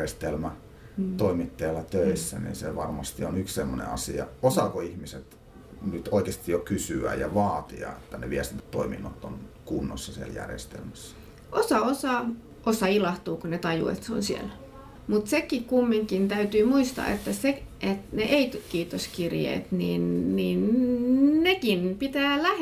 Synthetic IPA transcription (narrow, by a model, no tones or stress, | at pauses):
est̪elmæ | oimit̪ːɑjɑlːɑt̪øisːænḭnseʋɑrmɑst̪ionykssemːonḛɑsiɑ̰osɑkoihmiset̪ | nyt̪oikest̪ijjokysyæ̰jɑʋɑːt̪iɑ̰et̪ːæneʋiæst̪int̪æ̥t̪toiminːot̪ːonkunːosːɑsiæljæ̰rjḛst̪ḛlmæsː | ʔosɑosɑ | ʔosɑilɑht̪uːkunet̪ɑjṵḛt̪seo̰nsiḛl | mut̪sekikkumːiŋkint̪æyt̪yːmuist̪ɑ̰ḛt̪ːæseet̪neʔeit̪kiːt̪oskirjḛːt̪niːnːiːn | nekinpit̪æːlæh